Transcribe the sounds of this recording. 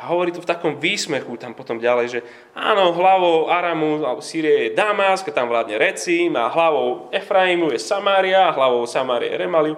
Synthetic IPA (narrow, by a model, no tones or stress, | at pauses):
aɦɔʋɔɾiːt̪ɔft̪akɔmʋiːsmɛxut̪ampɔt̪ɔmɟalɛjʒɛ | a̰ːnɔɦlaʋɔʊaɾamualɛbɔsiːɾiajɛd̪amaskat̪amʋlaːd̪ɲɛɾɛt͡sima̰ɦlaʋɔʊɛfɾaimujɛsamaːɾiaɦlaʋɔʊsamaːɾḭa̰jɛ̰ɾɛmali